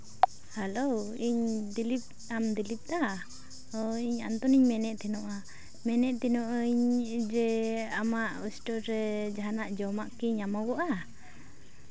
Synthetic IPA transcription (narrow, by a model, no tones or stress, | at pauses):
halowiɲd̪ilip̚ | amd̪ilip̚d̪a | ɔiɲa̰nt̪ɔniɲmɛnɛʔt̪ɛnɔʔa | mɛnɛʔt̪ɛnɔʔəɲd͡ʒɛamaʔɔsʈɔɾɛd͡ʒaɦanaʔd͡ʒɔmaʔkiɲamaɡɔʔa